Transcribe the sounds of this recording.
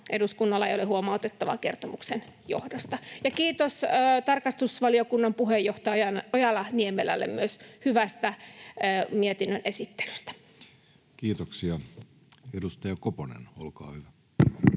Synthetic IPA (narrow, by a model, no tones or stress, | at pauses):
ʔeduskunːɑlːɑḛijolehuomɑut̪et̪ːɑʋɑ̰kḛrt̪omuksenjo̰hdost̪ɑjɑkiːt̪osːt̪ɑrkɑst̪usʋɑliokunːɑmpuhejːoht̪ɑjɑnojɑlɑniemelæ̰lːḛmmyøshyʋæst̪æː | miet̪inːønʔesit̪ːe̥ly̥st̪æ̥ | kiːt̪oksiɑ | edust̪ɑjɑkoponḛnolkɑ̰ːhyʋæ